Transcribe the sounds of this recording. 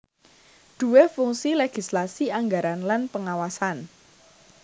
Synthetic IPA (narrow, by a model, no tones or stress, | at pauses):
d̪̥ṳwefuŋsileɡ̥islasiaŋɡaɾanlanpəŋawasan